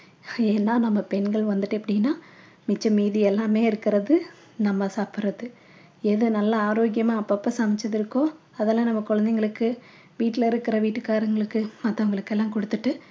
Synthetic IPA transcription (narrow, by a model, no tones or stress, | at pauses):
eːnːaːnɐmːɐpɛnɡɐɭʋɐnd̪ɯʈːɯɐpːɐɽɪnːaː | mɪt͡ʃːɐmiːðiɛlːaːmeːɪɾɯkːɪɾɐðɯ | nɐmːɐsaːpɪɾɐðɯ | ɛðɯnɐlːɐaːɾoːɡjɐmaːɐpːapːɐːsaːmɪt͡ʃːɐðɪɾɯkːõː | ɐðɛlːãːnɐmːɐkɔɻɐnd̪ɛŋɡɐɭɯkːɯ | ʋiːʈːɪlɐɪɾɯkːɪɾɐʋiːʈːɯkaːɾɐŋɡɐɭɯkːɯmɐt̪ːɐɐŋɡɐɭɯkːɛlːãːkɔɽɯt̪ːɯʈːɯ